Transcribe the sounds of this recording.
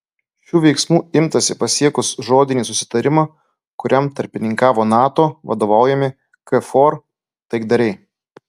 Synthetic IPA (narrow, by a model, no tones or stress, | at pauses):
ʃʲuːʋʲɛɪksmuːɪmt̪ɐsʲɪpɐsʲiɛkʊsʒoːd̪ʲɪnʲiːsʊsʲɪ̥t̪ɐɾʲɪmɐ | kʊɾʲɛmt̪ɐɾʲpʲɪnʲɪŋkɑːʋoːnɑːt̪oːʋɐ̰d̪oːʋɑˑʊjɛmʲɪ | kɛfoːɾ | t̪ɐɪɡd̪ɐɾʲɛɪ